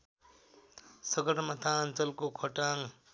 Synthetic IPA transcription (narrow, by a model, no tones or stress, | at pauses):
sʌɡʌɾmat̪ʰaːnt͡sʌlkokʰʌʈaŋ